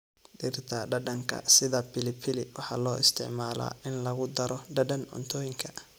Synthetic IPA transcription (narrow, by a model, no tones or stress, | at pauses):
dɪrt̪ʰɐɖɐɖɐŋkʰɐ̰sɪðɐpɪlɪpʰɪlɪwɑħɑːlɔːɪst̪ʰɪ̰ʕmaːla̰ːʔɪnlɐɣʊd̪ɐɾɔɖɐɖɐnɔ̰nt̪ʰɔːjɪŋkʰɐ